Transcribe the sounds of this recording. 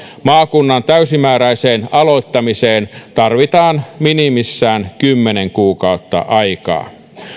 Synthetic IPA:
mɑːkunːɑnt̪æysimæːɾæiseːnɑloit̪ːɑmiseːnt̪ɑrʋit̪ɑːnminimisːæːnkymːeneŋkuːkɑut̪ːɑ̰ʔɑikɑ̰ː

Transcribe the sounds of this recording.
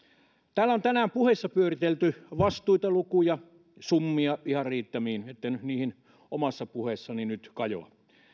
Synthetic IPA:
t̪æːlːæont̪ænæːmpuhesːɑpyørit̪elt̪yʋɑst̪uit̪ɑlukujɑ | sumːiɑihɑrriːt̪ːæmiːnet̪ːænyniːhin | omɑsːɑpuhesːɑninyt̪kɑjo̰ɑ̰

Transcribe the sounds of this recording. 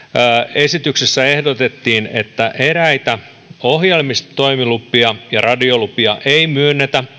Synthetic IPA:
e̞sit̪yksesːæe̞hdot̪et̪ːiːnḛt̪ːæʔeɾæit̪æ | ohjelmist̪oimilupːiɑjɑrɑdiolupiɑʔeimyønːet̪æ

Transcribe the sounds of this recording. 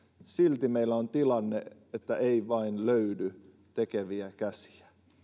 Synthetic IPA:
silt̪imeilːæont̪ilɑnːeet̪ːæʔeiʋɑinløydy | t̪ekeʋiækæsi̥æ̥

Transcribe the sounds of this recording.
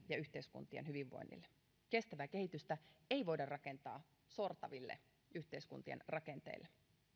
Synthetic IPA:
jɑyht̪eiskṵnt̪ienɦyʋiʋːo̞̰inːḭlːe | ke̞st̪æʋæke̞hit̪yst̪æeiʋo̞idɑrrɑke̞nt̪ɑː | so̞rt̪ɑʋilːḛ | yht̪eiskṵnt̪iḛnrɑke̞nt̪ḛilːe

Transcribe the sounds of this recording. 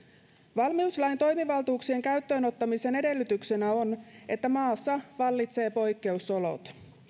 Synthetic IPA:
ʋɑlmiuslɑjnt̪o̞jmiʋɑlt̪uːksie̞ŋkæyt̪ːø̞ːno̞t̪ːɑmise̞ne̞de̞lːyt̪ykse̞næo̞ne̞t̪ːæmɑːsːɑʋɑlːit̪se̞ːpo̞jkːe̞uso̞lo̞̰t̪

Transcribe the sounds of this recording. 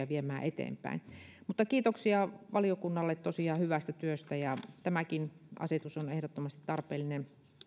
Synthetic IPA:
ɑʋiemæːʔet̪ḛːmpæ̰ˑinmut̪ːɑkiːt̪oksiɑʋɑliokunːɑlːet̪t̪osiɑhyʋæst̪æt̪yøst̪æjɑt̪æmækinɑ̰set̪usonehɾot̪ːomɑst̪it̪t̪ɑrpeːlːinen

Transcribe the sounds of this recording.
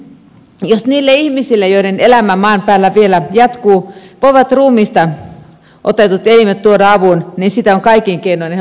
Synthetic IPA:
josniːlːeihmisilːejoiɾenelæmæmɑːmpæːlːæʋielæjɑt̪kuːpoʋɑt̪ruːmiːst̪ɑ | ʔot̪et̪ut̪elimet̪t̪uodɑɑʋunninsit̪æoŋkɑikiŋkeinoin

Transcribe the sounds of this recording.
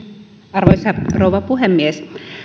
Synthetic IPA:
ɑrʋoisɑrouʋɑpuɦemːies

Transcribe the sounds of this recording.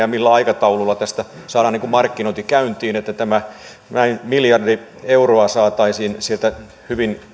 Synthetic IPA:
ɑmilːæɑikɑt̪ɑululːɑt̪æst̪æ | sɑːdɑːniŋkummɑrkːinoit̪ikæynt̪iːnet̪ːæt̪æmæ | næinmiljɑrdi | euroɑsɑːt̪ɑisiːnsielt̪æ | hyʋin

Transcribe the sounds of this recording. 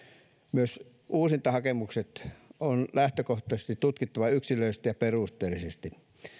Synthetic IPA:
myøs | ʔuːsint̪ɑhɑkemukset̪onlæht̪økoht̪ˑɑse̥st̪it̪ut̪kit̪ːɑʋɑyksiløˑisest̪ijɑperust̪ˑeːlisest̪i

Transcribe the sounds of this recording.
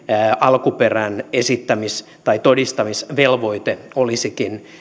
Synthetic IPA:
ɑlkuperænesit̪ːæmis | t̪ɑit̪odist̪ɑmisʋelʋoit̪eolisikin

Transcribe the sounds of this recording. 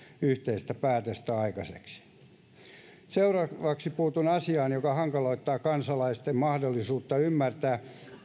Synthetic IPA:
yht̪eist̪æpæːt̪øst̪æɑikɑsḛksi̥ | seurɑʋɑksipuːt̪unɑsiɑːnjokɑhɑŋkɑloit̪ːɑːkɑnsɑlɑist̪emmɑhdolːisuːt̪ːɑymːært̪æː

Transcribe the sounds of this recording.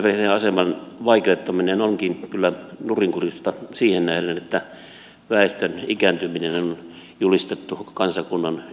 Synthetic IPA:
perneɑsemɑnʋɑikeot̪ːɑminenoŋkinkylːænuriŋkurust̪ɑsiːhennæhlænet̪ːæ | ʋæˑest̪ønikænt̪yminenonon | julist̪et̪ːukɑnsɑkunːɑn

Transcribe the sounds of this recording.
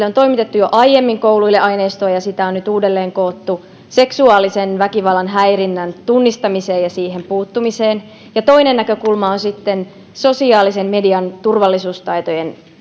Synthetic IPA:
lːeont̪o̞imit̪et̪ːujoʔɑjjemːiŋkouluilːeʔɑineːst̪oːjɑsit̪æonnyt̪uːdelːeːŋkoːt̪ːu | se̞ksuɑːlisenʋækiʋɑlːˑɑnɦæirinːænt̪unːist̪ɑmiseːjjɑsiːhempuːt̪ːumiseːn | jɑt̪o̞inenːækøkulmɑonsit̪ːen | so̞siɑːlisemmediɑnt̪urʋɑlːisuːst̪ɑit̪ojen

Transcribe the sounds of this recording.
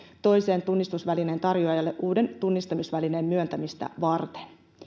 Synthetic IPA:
t̪o̞jse̞ːnt̪unːist̪usʋæline̞ːnt̪ɑrjoɑjɑlːeʔʔuːde̞nt̪unːist̪ɑmisʋælineːmmyønt̪æmist̪æ̰ʋɑrt̪e̥n

